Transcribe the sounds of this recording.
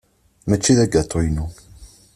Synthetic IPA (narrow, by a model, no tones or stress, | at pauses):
mæt͡ʃːiðæɡæt̪ˤːojnu